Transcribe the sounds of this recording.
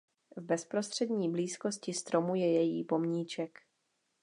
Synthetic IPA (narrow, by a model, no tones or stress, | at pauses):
vbɛspɾo̞st̪r̝̥ɛd̪ɲiːbliːsko̞scɪst̪ɾo̞mujɛjɛjḭːpo̞mɲiːt͡ʃɛk